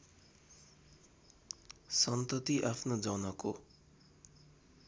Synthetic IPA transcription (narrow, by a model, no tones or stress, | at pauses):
sʌnt̪ʌt̪iʔapʰnod͡zʌnʌko